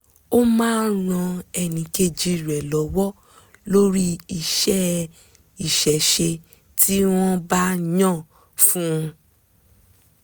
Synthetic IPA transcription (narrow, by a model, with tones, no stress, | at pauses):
o˦mãː˦ɾ̃ã˧ɛ˧˨nĩ˨˦ke˧d͡ʒi˧ɾɛ˨lɔ˨˦wɔ˦ | lo˦ɾi˦i˨ʃɛ˦ | i˨ʃɛ˨˦ʃe˧ | tʰi˦w̃ɔ̃˦ba˦ɲã˦˨ | fũ˦˧